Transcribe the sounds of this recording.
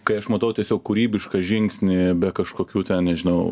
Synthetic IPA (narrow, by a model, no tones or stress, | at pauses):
kɐɪɐʃmɐt̪ɐʊt̪ʲiɛsʲoːkkuːɾʲiːbʲɪʃkɐʒʲɪŋksʲnʲɪbʲɛkɐʃkoːkʲuːt̪ʲɛnnʲɛʒʲɪnɐʊ